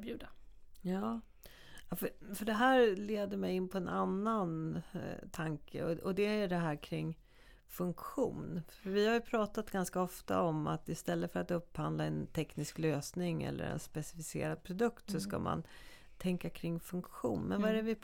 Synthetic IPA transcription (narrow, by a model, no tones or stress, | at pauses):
bjʉːd̪ajɑː | fəfœɖɛɦæːɾleːd̪əɾmɛjɪnːpʰɔɛnʔanːan | t̪ʰaŋkʰə̰ɔɔd̪ɛæɖɛɦæːɾkʰɾɪŋː | fɵŋkɧuːnfœɾvɪhaɾjɵpʰɾɑːt̪at̪ɡanskaɔft̪a̰ɔmat̪ɪst̪ɛlːəfœɾat̪ɵpːhand̪laɛnt̪ʰɛknɪskløːsnɪŋɛ̰lːə̰ɾɛ̰nspɛsɪfɪsḛːɾad̪̚pʰɾʊd̪ɵkt̪sɔska̰ma̰n | t̪ʰɛŋkakʰɾɪŋːfɵŋkɧṵːnmɛ̰nvaæɾɛvɪ